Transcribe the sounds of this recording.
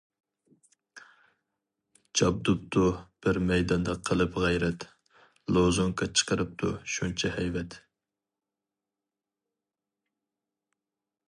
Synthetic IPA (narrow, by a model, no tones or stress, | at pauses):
d͡ʒɑb̚d̪up̚t̪ʰub̥ɪɾmɛjd̪ɑnd̪ɑqʰəlˠɨpʁæjɾɛt̪ | lˠozoŋkʰɑt͡ʃʰə̥qʰəɾɨp̚t̪ʰṵʃunt͡ʃʰɛhɛjvɛt̪